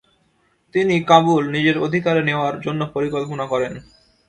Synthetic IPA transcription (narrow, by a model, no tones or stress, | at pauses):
t̪inikabulnid͡ʑeɾod̪ʱikaɾeneoaɾd͡ʑonːopoɾikolp̬onakɔɾen